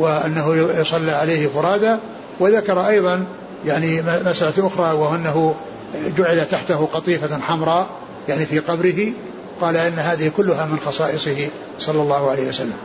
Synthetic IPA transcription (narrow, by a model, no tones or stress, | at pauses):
wɪʔanːaɦʊjʊsˤɑlːiʕalaːhɪfʊɾˤɑːd̪a | wɪðakɑɾˤɑʔɑjðˤɑn | jaʕnimasʔalaʔʊxɾˤɑːwaɪnːaɦʊ | d͡ʒʊʕɪlat̪aħt̪aɦʊqɑt̪ˤiːfaħamɾˤɑː | jaʕnifiːqɑbɾɪɦi | qɑːlaʔɪnːaɦaːðɪhɪkʊlːʊɦamɪnxɑsˤɑːʔɨsˤɨhɪ | sˤɑlːɑlːɑːhʊʕalejːhwasalːam